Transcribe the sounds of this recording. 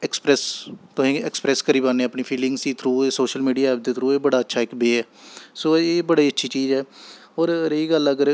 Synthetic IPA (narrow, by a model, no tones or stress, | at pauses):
ɛkspɾɛːst̪ʊɦĩːɛkspɾɛːskəɾiːbaːneːəpniːpʰiːlɪ̃ŋɡsd̪iːt̪ʰɾuːeːsoːʃəlmiːɖijaːɛːp̚d̪eːt̪ʰɾuːeːbəɽaːətːʃʰaːɪkbeːɛː | soːeːbəɽiːətːʃʰiːt͡ʃiːzɛː | ɔːɾɾeiːɡələɡəɾ